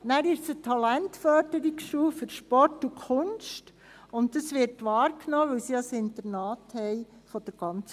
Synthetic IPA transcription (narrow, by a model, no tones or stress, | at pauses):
næːɾɪʃsətʰɑlæntfœɾdəɾikʃuːføɾʃpɔɾtukʰʊnʃt | ʊntːɑsʋɪɾtʋɑːɾknɔːʋɛwsiɑsɪntəɾnɑːthɛɪfɔd̥əɾɡ̥ɑnt͡s